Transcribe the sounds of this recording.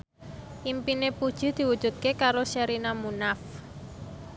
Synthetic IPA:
ʔimpinepud̥ʒ̥ṳd̪̥i̤wud̥ʒ̥ṳt̪̚kekaɾoʃɛɾinamunaf

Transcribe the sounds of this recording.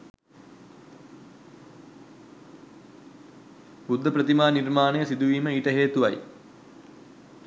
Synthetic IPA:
bud̪ʱːəpɾət̪imaːnirmaːnəjəsid̪uʋiːməiːʈəɦeːt̪uʋa̰j

